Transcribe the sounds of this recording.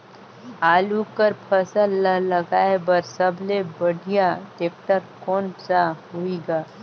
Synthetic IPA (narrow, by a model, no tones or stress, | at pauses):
aːlukəɾpʰəsəlːəlɐɡaːebəɾsəblebɐɽʱijaʈeːk̚ʈəɾkɔːnsaɦuiɡaː